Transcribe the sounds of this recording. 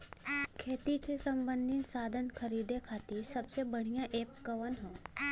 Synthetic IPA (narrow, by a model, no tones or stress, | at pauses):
kʰeːt̪isesɐ̃mbə̃nd̪ʱinsaːd̪ʱənkʰɐɾiːd̪ekʰaːt̪isɐbsebəɽ̤ijãʔeːp̚kəʋənɦõː